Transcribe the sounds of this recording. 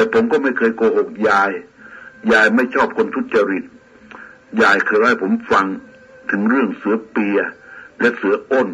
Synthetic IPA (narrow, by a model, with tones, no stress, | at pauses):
t̪ɛː˨˧˩pʰo˩˦mkɔː˥˩ma˥˩jkʰɤː˧jkoː˧ho˨˩k̚jaː˧jjaː˧jma˥˩jt͡ɕʰɔː˥˩p̚kʰo˧nt̪ʰu˦˥t̪̚t͡ɕa˧ɾi˨˩t̪̚ | jaː˧jkʰɤː˧ja˥˩jpʰo˩˦mfa˧ŋ | t̪ʰɯ˩˦ŋɾɯ˥˩əŋsɯ˨˩˦ɐpi˧ɐlɛ˦˥sɯ˩˦ɐʔo˥˩n